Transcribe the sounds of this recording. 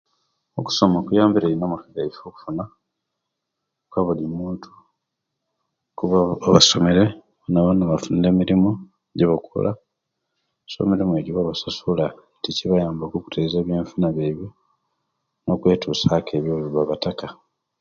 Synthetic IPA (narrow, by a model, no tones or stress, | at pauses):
oku̥so̞mokujaːmbiɾeːɾinoːmukaɡaifoku̥funa | kwaβulimuːntʰu̥ | kuβaoβaso̞me̞ɾe | βonaβanaβafunde̞miɾimo | ɟeβakṵla | so̞̰miɾime̞ɟiβaβasasula | ticiβajaːmbakuku̥tʰezeːβjeːɱfunaβeβjo | no̞kwe̞ːtuːsakʰeːβjoβiɾwaβataka